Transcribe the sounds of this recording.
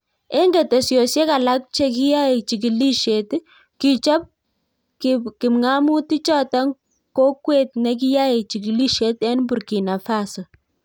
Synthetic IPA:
ɛ˦ŋɡɛ˨tɛ˨sjo˨sje˦ka˨la˦k̚t͡ʃe˦k̬i˦ja˦e˨t͡ʃi˨ki˨li˦ʃe˨t | ki˨t͡ʃɔ˦p̚ | kkɪ˨mŋa˦mu˦ti˦t͡ʃɔ˦ta˦ŋ | ko˦kwe˨tnɛ˦k̬i˦ja˦e˨t͡ʃi˨ki˨li˦ʃe˦tɛ˦nbu˨ɾki˨na˨fa˦sɔ˨

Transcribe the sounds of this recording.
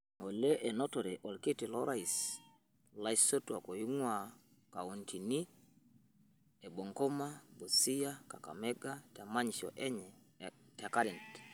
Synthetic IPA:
ŋo˨le˦ʔɛ˨no˦to˨ɾɛ˨ʔɔ˨lke˦ti˨lɔ˦ɾa˦˨i˨s | la˦iso˦twa˨ko˨ji˦ŋwa | ka˨u˨ntʰi˨ni˦ | e˨bo˨ŋko˦ma˦bo˨si˦ja˦ka˨ka̰˨mɛ˦ɡa˦ta˨ma˦ɲiʃɔ̰˨ʔɛ˦ɲɛ˨ | ta˨ka˦ɾɛ˨nt

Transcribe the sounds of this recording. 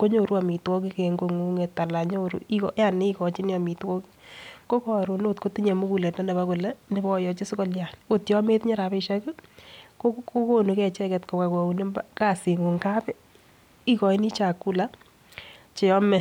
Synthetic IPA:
ko˦ɲo˦˨ɾu˦a˨mi˨twɔ˦ki˦keŋɡo˨ŋu˦ŋe˨tːa˨la˨ɲo˦ɾṵ˦i˦kɔ˨ja˦ni˦i˦kɔ˨t͡ʃi˦ni˦a˨mi˨twɔ˦ki̥ko˦kɔ˨ɾu˨no˦tko˦ti˦ɲe˨mu˦ku˨le˨tna˦ne˨ba˦ku˨lɛ˦nɪ˨bɔ˦˨jɔ˨t͡ʃɪ˦skɔ˦lja˨no˨tjɔ˦me˦tɲɛ˦ɾa˨pe˧ʃa˦ku˦ko˦ko˦ko˦nu˨˦kɛ˨t͡ʃɛ˦kɛ˨tko˨ka˨ko˨u˨ne˦mbaka˦si˨ŋu˨ŋka˦pɛ˦ | i˦kɔ˨i˦ni˦t͡ʃa˨kːu˦la˦ | t͡ʃe˨ɔ˦mɛ˦

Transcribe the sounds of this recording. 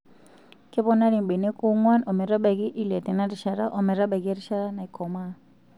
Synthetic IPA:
kʼɛ˦βɔ˦na˦ɺi˨mbe˨nɛ˦kʼu˦ŋwa˦nɔ˨mɛ˨ɾa˦ba˨ki˦ʔi˦lɛ˨tɛ˨na˦ɾi˨ʃa˨ɾa˦ʔɔ˨mɛ˨ɾa˦ba˨ki˦ɾi˦ʃa˦ɾa˦na˨i˨kʰɔ˨ma˦˨

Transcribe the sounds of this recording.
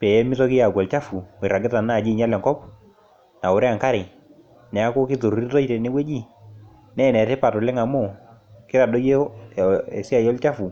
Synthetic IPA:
pɛ˨˦mɪ˦tɔ˦kɪ˦ja˨ɡɛ˨lt͡ʃa˦fu˨wɾa˨ɡɪ˦ta˨na˦˨d͡ʒi˦˨ɲa˦lɛ˨ŋkɔ˦p | na˨ʊ˨ɾɛ˦a˨ŋka˦ɾɪ˨ | nɛ˨a˦ko˦kɪ˦to˨ɾɾi˦tɔ˦i˦tɛ˨nɪ˦we˦d͡ʒi˦˨ | nɛ˦˨nɛ˨tɛ˦pa˨tɔ˨lɪ˦ŋa˨mo˦˨ | kɪ˦ɾa˨dɔ˦je˦˨ | ɛ˨si˦a˨jɔ˦lt͡ʃa˦fu˨

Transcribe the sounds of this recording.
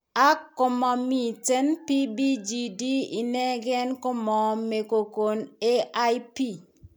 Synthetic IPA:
a˦kːʊ˨mɔ˨mi˨te˦npi˦bi˦d͡ʒi˦di˦i˨nɛ˦ɡɛ˦nkʊ˦mɔ˨me˨ko˨ko˨ne˦a˦i˦pi˦

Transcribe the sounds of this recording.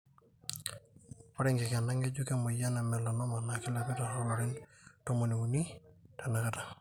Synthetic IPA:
pa˦ɾɪŋɡɪ˨kɛna˦ŋɡe˦d͡ʒuke˦mɔ˨ja˦na˨mɛ˨lɔ˨nɔ˦ma˨nakɪ˦lɛpɪ˦taɾɔ˦lɔ˨ɾɪ˦nto˦mo˨ni˨u˨ni˦tanaka˦ta˨

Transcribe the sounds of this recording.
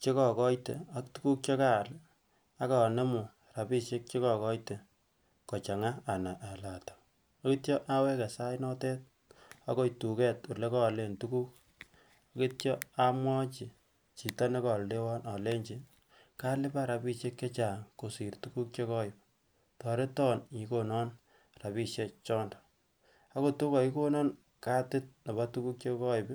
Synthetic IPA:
t͡ʃe˦kɔ˨kɔ˦jte˨a˦ktu˦ku˦k̚t͡ʃe˦ka˦˨l | a˦ka˨ne˦mʊ˨aɾa˨pi˦ʃe˦k̚t͡ʃe˦kɔ˨kɔ˦jte˨ | kɔ˨t͡ʃa˨ŋa˦a˨na˨ʔa˨la˨tɔ̥˨ | a˦ki˦tjɔ˦ʔa˦wɛ˦ka˨sa˦jnɔ˦tɛ˦t̚ | a˦kɔ˦jtu˨kɛ˦tu˨le˦kɔ˦˨le˨ntu˦ku˦k̚ | a˦ki˦tt͡ʃɔ˦a˦mwɔ˦t͡ʃi˨ | t͡ʃi˨tɔ˦ne˦kɔ˨lde˦wɔ˦na˨le˦ɲt͡ʃi˨ | ka˦lɪ˦ba˦ɾa˨bi˦ʃje˦kːe˦t͡ʃa˨ŋko˨si˨ɾtu˦ku˦k̚t͡ʃe˦kɔ˦ɪ˨p | tɔ˨ɾe˦tɔ˦ni˨ko˦nɔ˦n | ra˨βi˦ʃje˦t͡ʃɔ˦nd̥ | a˦ko˦˨tu˦kɔ˨i˦ko˦nɔ˦n | ka˦tɪ˦t̚ne˨ba˦tu˦ku˦k̚t͡ʃe˦kɔ˦i˨b

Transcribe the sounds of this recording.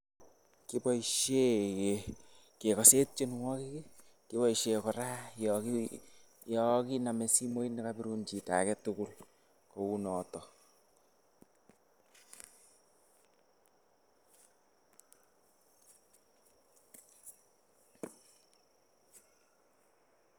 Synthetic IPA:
ki˦bɔ˦iʃe˦ke | ke˨kɔ˨se˦t̚t͡ʃe˦nwɔ˦ki˦ke˦ | ki˦bɔ˦iʃe˨kɔ˨ɾa˦jɔki | jɔ˨ki˦na˨mɛ˨si˦mo˦i˦ni˦kabi˦ɾu˦nt͡ʃi˨ta̰˨kɛtuku˦l | ko˨u˦nɔ˨tɔ˨

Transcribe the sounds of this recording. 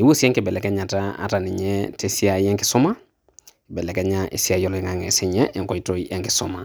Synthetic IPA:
i˨˦wo˦si˦ɛ̃˦ŋkɛ˨bɛ˨lɛ˨kɛ˦ɲa˨ta˦a̰˨ta˨ni˨ɲɛte˦si˦a˨˦jɛ̃˦ŋki˦sʊ˦ma˦˨ | bɛ˨lɛ˨kɛ˦ɲaʔḭ˨si˦a˨jɔ˦lɔ˨i˦ŋa˨ŋɛ˨se˦ɲɛ˦ʔŋkɔ˨i˦to˦iʔɛ̃˦ŋkɛ˨so˦ma˨

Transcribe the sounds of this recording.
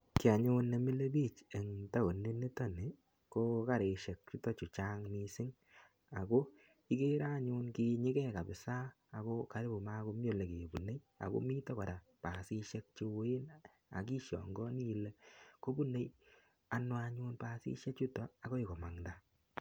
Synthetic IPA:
kɪ˨a˨ɲu˦nːe˨mi˦le˦bi˦˨t͡ʃe˨ŋta˦o˨ne˦ni˦tɔ˦ne˨ | ko˦ka˦ɾe˨ʃe˨k̚t͡ʃu˦tɔ˦t͡ʃu˨t͡ʃa˦ŋni˧sɪ˦ŋ | a˨ko˦ | i˦ke˦ɾa˦ɲʊ˦nki˨ɲɪ˦kɛ˦˨ka˨bɪ˨saː˦˨ | ko˦ka˨ɾɪ˦bo˨ma˦ko˦m˦o˦˨le˨ke˨bu˨ne˦j | a̰˨ko̰˦mi˦tɔ˦ka˨ɾa˨ | pa˨si˦ʃe˦k̚t͡ʃi˧we˦n | a̰˨ki˦ʃɔ̰˨ŋɡɔ˦ni˦˨˦le˦ko˦bu˦ne˦j | a˨nwa˧ɲʊ˦npa˧sḭ˦ʃe˦k̚t͡ʃu˦tɔ˨a˨ko˦i˨kɔ˨ma˨ŋda˦

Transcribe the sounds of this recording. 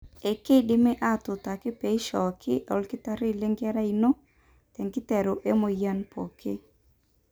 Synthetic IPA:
e˨ke˦dɪ˦mɛ˦ʔa˦˨tʊ˨ta˨kɪ˦pe˨˦ʃɔ˨kʰɪ˦ʔɔ˨lkɪ˦ta˦ɾɪ˦˨le˦ŋɡja˦ɾa˦i˨no˦ | tɛ˨ŋkɪ˦tɛ˨ɾo˨ʔe˦mo˨ja˦npɔ̰˨kʰɪ˦

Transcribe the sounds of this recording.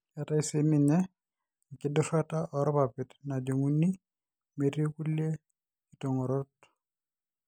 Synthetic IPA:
a˨ta˦i˦se˨mɪ˨ɲɛ˦˨ | kɪ˨dʊ˦fa˦ta˦ʔɔ˨ɾɔ˦pa˨pɪ˨tna˨d͡ʒo˨ŋu˦ni˦ | me˨ɾe˦ku˦lje˦ | i˨to˨ŋɔ˨ɾɔ˦t̚

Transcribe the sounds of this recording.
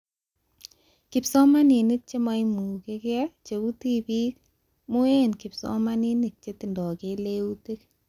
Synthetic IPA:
ki˨psɔ˦ma˦ni˨ni˦k̚t͡ʃe˦ma˦imu˨ke˦kɛ˦t͡ʃe˨u˦ti˦pi˦k̚ | mu˦e˦nki˨psɔ̰˦ma˦ni˦ni˨k̚t͡ʃe˦ti˨ndɔ˨ke˨le˦u˦ti˦k̚

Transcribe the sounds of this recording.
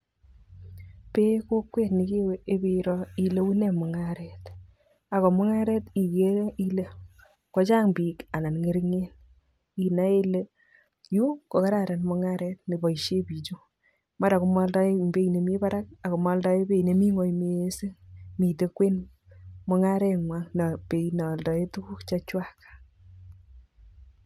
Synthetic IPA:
pe˦ko˦kwe˦tnɪ˨ki˦we˦e˦bi˨ɾɔ˦i˨le˦wu˦ne˨mʊ˨ŋaɾɛ˨t | a˨kɔ˨mʊ˦ŋa˦ɾɛ˦ti˨ke˦i˦le˦ | kɔ˦t͡ʃa˦ŋbiː˨ka˨na˨nŋe˨˦ɾiŋe˦n | i˨na˨˦e˦le˦ | ju˦ko˨ka˦ɾa˦˨ɾa˨nmɔ˦ŋa˦ɾɛ˦t̚ne˨bɔ˨i˨ʃe˦pi˨t͡ʃo˦ | ma˦ɾa˨kʊ˨mwa˦lda˦e˦be˦i˨ne˨mi˦pa˦ɾa˦k̚a˨ko˨mwa˨˦lda˦e˦be˦i˨ne˨mi˦ŋɔ˨jme˨˦e˦se˦mi˨te˦kwe˦n | mɔ˦ŋa˦ɾɛ˦ŋwa˦ŋna˨pe˨ina˨ldɔ˨e˦tu˦ku˦kt͡ʃa˦t͡ʃwa˦kḁ˨

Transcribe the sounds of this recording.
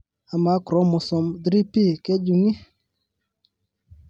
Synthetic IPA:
a˨ma˨˦kɾɔ˨˦mɔ˨sɔ˨mdɾi˦pi˦˨kɛ˦d͡ʒu˨ŋi˦

